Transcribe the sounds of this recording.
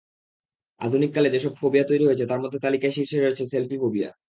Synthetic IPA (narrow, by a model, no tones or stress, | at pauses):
a̰d̪ʱunikːaled͡ʑeʃɔb̚fʰobiat̪ojɾiɦoet͡ɕʰet̪aɾmod̪ʱːet̪alikaeʃiɾʃeɾoet͡ɕʰeselpikobia̰